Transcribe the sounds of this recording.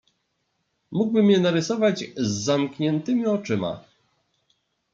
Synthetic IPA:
muɡbɘmjɛnaɾɘsɔvad͡ʑzːamkɲɛnt̪ɘmʲiɔt͡ʂɘma̰

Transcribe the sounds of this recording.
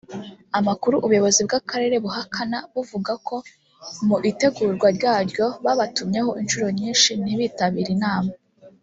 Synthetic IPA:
amakuɾuʔuβujo̞βo̞zib̚ɡakaɾe̞ɾe̞βuɦakʰanaβuvuɡakʰo̞ | muʔite̞ɡuːɾɡwaɾɟaːɾɟo̞βaβatumɲe̞ho̞ʔinʃuɾo̞ɲiːnʃiniβitaβiɾinaːma

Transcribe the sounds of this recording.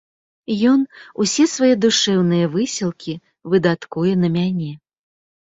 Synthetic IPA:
jɔnusʲɛsvajɛd̪uʂɛwnɨjɐvɨsʲilˠkʲi | vɨd̪at̪kujɛnɐmʲanʲɛ

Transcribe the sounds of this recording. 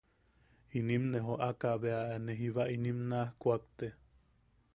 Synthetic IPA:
inimneɦoʔakaβeaneɦiβaʔinimnahkʷakt̪e

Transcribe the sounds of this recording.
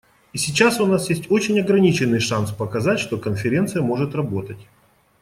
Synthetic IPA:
isʲɪt͡ɕːasʊnasjesʲtʲo̞t͡ɕɪnʲɐɡɾɐnʲit͡ɕɪnːɨjʂanspəkɐzatʲʂt̪o̞kənfʲɪɾʲe̞nt̪sɨjəmo̞ʐɨt̪rɐbo̞t̪ətʲ

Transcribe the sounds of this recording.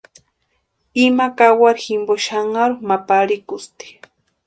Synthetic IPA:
imakawaɾximboʃaŋaɾumapaɾikʊst̪i̥

